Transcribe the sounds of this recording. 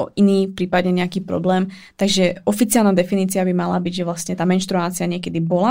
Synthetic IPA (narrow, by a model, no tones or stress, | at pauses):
ɔ̰ʔiniːfpɾiːpad̪ɲɛɲɛakiːpɾɔ̰blɛːm | t̪aɡʒɛʔɔfit͡siɪalnaːd̪ɛfiniːt͡siabimala̰biɟʒɛʋlastɲɛt̪aːmɛnʃt̪ɾuaːt͡siaɲɪɛkɛd̪ibɔla